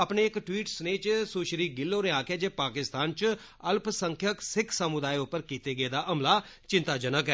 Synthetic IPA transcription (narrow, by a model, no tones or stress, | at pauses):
əpneːɪkʈwiːʈsneːt͡ʃsuːʃɾiːɡɪlːoːnẽaːkɛːd͡ʒeːpaːkɪst̪aːnt͡ʃ | əlpʰsəŋkʰjəksɪkʰsəmʊd̪aːiʊpːəɾkiːt̪eːɡəeːd̪aːʔəmlaːt͡ʃɪ̃nt̪aːd͡ʒənəkɛː